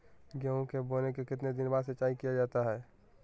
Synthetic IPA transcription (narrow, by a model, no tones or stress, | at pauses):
ɡjɛõkeboːlekekɪt̪ned̪ɪnbaːd̪set͡ʃaːikijad͡ʒaːt̪aɦɛː